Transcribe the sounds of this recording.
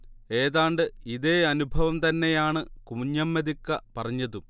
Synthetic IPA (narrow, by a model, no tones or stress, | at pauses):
e̞ːðaːɳɖɨiðe̞ːɐnubʱɐʋɐmt̪ɐnːe̞jaːɳɨkumuɲːɐmːed̪ikːɐpɐrɐɲːɐðu